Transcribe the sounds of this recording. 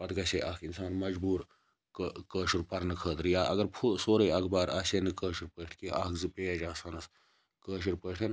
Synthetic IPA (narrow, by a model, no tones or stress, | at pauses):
pɐt̪ɡɐseːʔɐkʰinsaːnmɐd͡ʒbuːɾ | kəːʃuɾpɐɾnɨkʰəːt̪ɾɨjaːʔɐ̰ɡɐɾpʰusoːɾɐjɐkʰbaːɾɐːseːnɨkəːʃuɾpəːʈʰkiːʔɐːkzɨpeːɐd͡ʒaːsanɐs | kəːʃ̬uɾpəːʈʰen